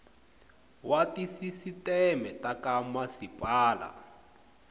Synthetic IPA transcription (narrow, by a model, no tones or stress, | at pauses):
wʔatisisitɛmɛtakamasipʼaːla̰